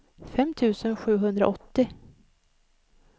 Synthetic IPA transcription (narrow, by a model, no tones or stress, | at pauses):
fɛmt̪ʰʉ̟ːsənɧʉ̟ːɦɵnd̪ɾa̰ʔɔt̪ːɪ